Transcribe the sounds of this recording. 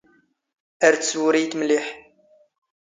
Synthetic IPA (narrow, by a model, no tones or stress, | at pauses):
əɾt̪swɾijt̪mliħ